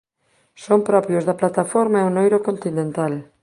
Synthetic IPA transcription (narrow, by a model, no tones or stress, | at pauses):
sompɾɔpɾjozðɐplat̪afoɾmaeonojɾokont̪inẽnt̪al